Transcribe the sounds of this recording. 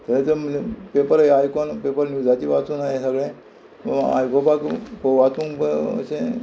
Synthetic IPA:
t̪əɾet͡səmpepəɾəajkonpepəɾnjud͡zat͡ɕiʋat͡suːnajẽsəɡɭẽ | a̰jkobakpəʋat͡sũŋbəə̰sẽ

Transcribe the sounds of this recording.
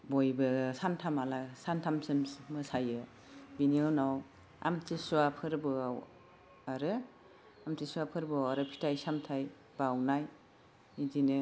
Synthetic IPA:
bojbɯsantʰamalasantʰamsɯmmɯsajɯ | biniɯnaw | a̰mtʰisuapʰɯɾbɯaw | aɾɯ | amtʰisuapʰɯɾbɯawaɾɯpʰi̥tʰajsamtʰaj | b̥awnaj | idinɯ

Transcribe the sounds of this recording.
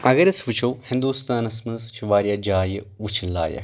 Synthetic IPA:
ɐɡɐɾɐt͡sʋɨt͡ʃʰowhind̪uːst̪aːnɐsmɨzt͡ʃʰiʋaːɾjaːd͡ʒaːjʋut͡ʃʰinla̰ːjɐ̰

